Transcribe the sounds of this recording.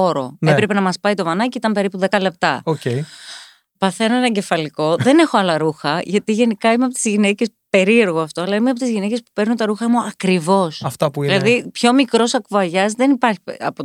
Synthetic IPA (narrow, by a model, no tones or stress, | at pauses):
oɾo̞̰nepɾe̞pe̞nɐmɐspɐit̪ovɐnɐceit̪ɐmpe̞ɾipuðe̞kɐle̞p̚t̪ɐocei | pɐθenenɐɟe̞fɐliko̞ðe̞ne̞xoɐlɐɾuxɐʝɐt̪iʝe̞nikɐimeɐpo̞t̪izʝine̞ce̞spe̞ɾie̞ɾɣoɐft̪o̞ɐlɐimeɐpot̪izʝinece̞spu̥pe̞ɾnunt̪ɐɾuxɐmuɐkɾivo̞sɐft̪ɐpuiilɐðipço̞mikɾo̞sɐkuɐʝɐzðe̞nipɐɾçi̥ɐ̰po